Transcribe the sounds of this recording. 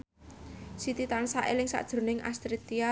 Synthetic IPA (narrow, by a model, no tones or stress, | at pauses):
sit̪it̪ansaʔelɪŋsa̰ʔd̥ʒ̥ɾo̤nɪŋʔa̰st̪ɾit̪ia